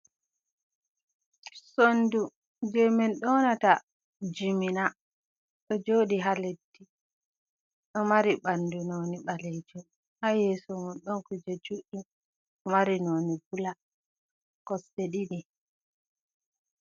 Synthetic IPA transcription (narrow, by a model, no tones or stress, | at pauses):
sondu | d͡ʒɛmɛnɗɔnata | d͡ʒimina | ɗɔd͡ʒoːɗiɦaledːi | ɗɔmaɾiɓandunoːniɓalɛd͡ʒɔ | hajɛsɔmunɗɔnkud͡ʒɛd͡ʒuɗu | ɔmaɾinoːnibula | kɔseɗiɗi